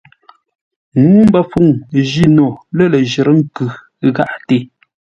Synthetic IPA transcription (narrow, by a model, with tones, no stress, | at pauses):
ŋuː˦m˦bə˦˨fu˦˨ŋʒi˦nɔ˨lə˦˨lə˨ʒə˨ɾə˦ŋ̩˦kʉ˨˦ | ɣa˦ʔte˦˨